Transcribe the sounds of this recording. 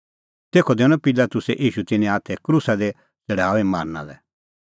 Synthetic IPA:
t̪eːkʰɔd̪eːʊ̃ɔ̃pɪlat̪ʊsɛʔiːʃut̪ɪnẽaːt̪ʰɛkɾusad̪e | t͡sɐɽ̤aːʋima̰ːɾna̰lɛ

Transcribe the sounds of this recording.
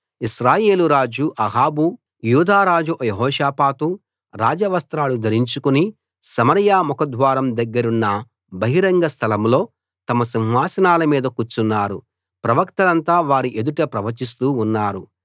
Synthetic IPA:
iʃɾaːje̞ːluɾaːd͡ʒuʔɐɦaːbu | juːd̪aːɾaːd͡ʒuʔjeɦɔːʃaːpaːt̪u | ɾaːd͡ʒɐʋɐst̪ɾaːlud̪ʱɐɾiɲt͡ʃukuni | sɐmɐɾjaːmukɐd̪ʱʋaːɾɐmd̪ɐɡːɐɾunːɐ | bɐɦiɾɐŋɡɐst̪ʰɐlɐmlo̞ː | t̪ɐmɐsinɦaːsɐnaːlɐmiːd̪ɐkut͡ʃːunːaːɾṵ | pɾɐʋɐkt̪ɐlɐnt̪aːʋaːɾiʔe̞d̪uʈɐpɾɐʋɐt͡ʃist̪uːnːaːɾu

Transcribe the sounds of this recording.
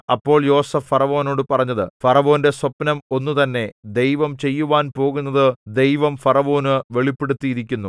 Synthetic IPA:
ɐpːo̞ːɭjo̞ːsɐfɐrɐʋo̞ːno̞ːɽɨpɐrɐɲːɐðɨ̰fɐrɐʋo̞ːnde̞swɐpnɐmo̞nːut̪ɐnːe̞d̪e̞jʋɐmt͡ɕe̞jːuʋaːnpo̞ːɣunːɐðɨd̪e̞jʋɐmfɐrɐʋo̞ːnɨʋe̞ɭipːe̞ɽut̪ːijiɾikʲːunːu

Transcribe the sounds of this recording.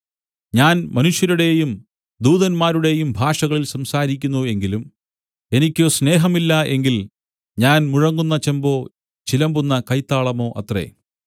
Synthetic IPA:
ɲaːnmɐnuʂjɐɾuɽe̞jum | d̪uːðɐnmaːɾuɽe̞jumbʱaːʂɐɣɐɭilsɐmsaːɾikʲːunːue̞ŋɡilum | e̞nikʲːoːsne̞ːɦɐmilːɐʔe̞ŋɡil | ɲaːnmuɻɐŋːunːɐt͡ɕembo̞ː | t͡ɕilɐmbunːɐkɐjt̪ːaːɭɐmo̞ːʔɐt̪rḛ

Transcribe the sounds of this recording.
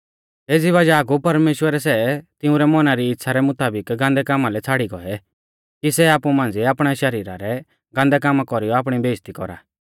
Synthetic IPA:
eːd͡ziʋɐd͡ʒaːɡupɐɾmeːʃwəɾɛsɛt̪ɪũɾɛmɔnaɾiːtːsʰaɾɛmʊt̪aːbɪkɡãːnd̪ɛkaːmalɛt͡sʰaːɽiɡɔɛ | kisɛaːpumãːn̆d͡ziɛaːpɽ̃aʃɐɾiːɾa̰ɾɛ | ɡãːnd̪ɛk̬aːmakɔɾijɔaːpɽ̃ibeːst̪ikɔ̰ɾa̰

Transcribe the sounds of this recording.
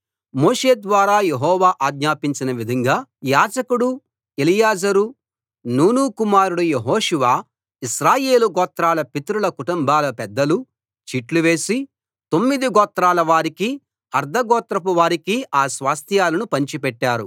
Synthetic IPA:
moːʂe̞ːd̪ʋaːɾaːjeɦɔːʋaːʔaːɡɲaːpiɲt͡ʃinɐʋid̪ʱɐŋɡaːjaːd͡ʒɐkuɽu | elijaːd͡ʒɐɾu | nuːnuːkumaːɾuɽujeɦoːʂuʋaː | iʃɾaːje̞ːluɡɔːt̪ɾaːlɐpit̪ɾulɐkuʈumbaːlɐpɛd̪ːɐlu | t͡ʃiʈluʋe̞ːsi | t̪o̞mːid̪iɡɔːt̪ɾaːlɐʋaːɾiki | ɐɾd̪ʱɐɡɔːt̪ɾɐp̬uʋaːɾikiaːsʋaːst̪ʰjaːlɐnupɐɲt͡ʃipɛʈːaːɾṵ

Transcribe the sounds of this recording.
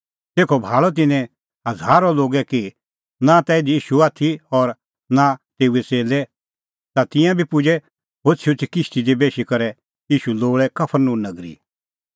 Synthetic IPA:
t̪eːkʰɔbʱaːɭɔt̪̬ɪnɛ̃ | ɐdʱaːɾɔloːɡɛki | nãt̪ɛːɪd̪iiːʃuaːt̪ʰiɔɾ | nãt̪eːuɛt͡seːlɛ | t̪at̪ɪ̃jãbʱipʊd͡ʒɛ | ɦot͡ʃʰʊt͡ʃikɪʃʈ̪id̪ibeːʃikɐɾɛ | iːʃuloːɭɛkɐpʰəɾnũnɐɡɾḭ

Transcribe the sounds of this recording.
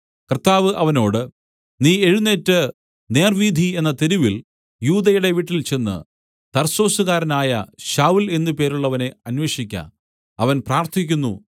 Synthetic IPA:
krt̪ːaːʋɨʔɐʋɐno̞ːɽɨ | niːe̞ɻunːe̞ːtːɨ | ne̞ːrʋiːd̪ʱie̞nːɐt̪eɾuʋil | juːd̪ɐjuɽe̞ʋiʈːilt͡ɕe̞nːɨ̰ | t̪ɐrso̞ːsuɣaːɾɐnaːjɐ̰ɕaːwule̞nːupe̞ːɾuɭːɐʋɐne̞ɐnʋeːʂikʲːa̰ːn | ɐʋɐnpraːrt̪ʰikʲːunːṵ

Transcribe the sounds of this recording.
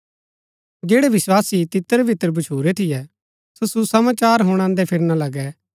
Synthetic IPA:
d͡ʒeːɽɛʋɪswaːsit̪ɪt̪əɾebʱɪt̪əɾbɐt͡ʃʰuːɾet̪ʰɪjɛ | sosusɐmaːt͡ʃaːɾɦʊɽ̃ãːnd̪ɛpʰɪɾnalɐɡɛ

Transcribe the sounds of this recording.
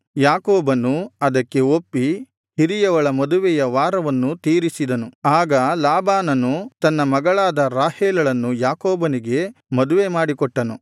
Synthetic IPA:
jaːkoːbɐnːuɐd̪ɐkːe̞opːi | hiɾijɐʋɐɭɐmɐd̪uʋɛjɐʋaːɾɐʋɐnːut̪iːɾisid̪ɐnuaːɡɐlaːbaːnɐnut̪ɐnːɐmɐɡɐɭaːd̪ɐɾaːheːlɐɭɐnːujaːkoːbɐniɡe̞mɐd̪uʋemaːɽikɔʈːɐnu

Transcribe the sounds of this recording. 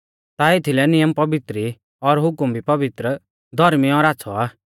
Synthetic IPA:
t̪aːet̪ʰilɛnɪjəmpɐbɪt̪ɾi | ɔɾɦʊkʊmbipɐbɪt̪ɾə | d̪ʱɔɾmiɔɾaːt͡sʰɔaː

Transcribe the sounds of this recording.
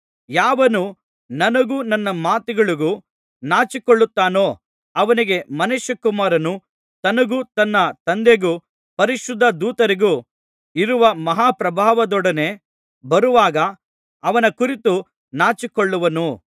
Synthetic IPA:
jaːʋɐnu | nɐnɐɡuːnɐnːɐmaːt̪iɡɐɭiɡu | naːt͡ʃikoɭːut̪ːaːno̞ː | ɐʋɐniɡe̞mɐnuʃɐkumaːɾɐnu | t̪ɐnɐɡuːt̪ɐnːɐt̪ɐnd̪e̞ɡu | pɐɾiʃud̪ʱːɐd̪uːt̪ɐɾiɡu | iɾuʋɐmɐɦaːpɾɐbʱaːʋɐd̪ɔɽɐne̞ | bɐɾuʋaːɡɐː | ʋɐnɐkuɾit̪u | naːt͡ʃikoɭːuʋɐnu

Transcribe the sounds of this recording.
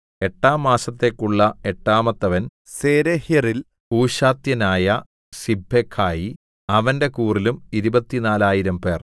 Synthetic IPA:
e̞ʈːaːmːaːsɐt̪ːe̞kːuɭːɐe̞ʈːaːmɐt̪ːɐʋɐn | seːɾehjɐril | puːɕaːt̪jɐnaːjɐ | sibʱːekʰːaːji | ɐʋɐnde̞kuːrilumiɾubɐt̪ːinaːlaːjiɾɐmpe̞̰ːr

